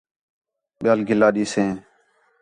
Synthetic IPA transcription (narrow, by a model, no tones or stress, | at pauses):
ɓɪjaːlɡʱɪlːaːɗiːsẽː